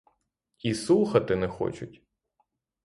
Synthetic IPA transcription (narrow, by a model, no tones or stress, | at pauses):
isuxɐt̪ɪnɛxɔ̰t͡ʃʊtʲ